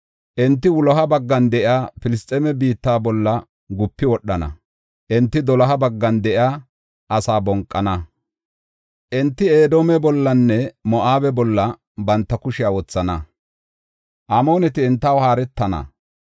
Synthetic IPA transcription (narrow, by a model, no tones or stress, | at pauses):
ʔɪnt̪ːɪwʊlɔɦɐbɐɡːɐnd̪ɛʔɪaːpɪlɪst̪ʼɛmɛbiːt̪ːaːbɔlːɐ | ɡʊpːɪwɔɗːɐnɐ̰ | ʔɪnt̪ːɪd̪ɔlɐɦɐbɐɡːɐnd̪ɛʔɪaː | ʔɐsaːbɔŋkʼːɐnɐ | ʔɪnt̪ːɪeːd̪oːmɛbɔlːɐnːɛmɔʔaːbɛbɔlːɐ | bɐnt̪ːɐkʊʃɪjawɔt͡sːɐnɐ | ʔamo̞ːnɛt̪ɪɪnt̪ːɐwhaːɾɛt̪ːɐnɐ̰